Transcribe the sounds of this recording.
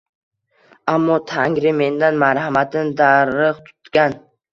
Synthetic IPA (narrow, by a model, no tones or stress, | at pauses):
amːɒt̪ʰaŋɾɪme̞nd̪anmaɾhamat̪ʰɪnd̪aɾɨqt̪ʰʊ̥t̪ɡʲan